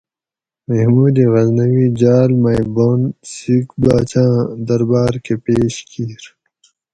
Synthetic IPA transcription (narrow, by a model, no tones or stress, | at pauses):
mehmuːd̪iɣɐznɐwid͡ʑaːlmajboːnsikbaːt͡ɕãːd̪ɐɾbaːɾkepeːɕkiːɾ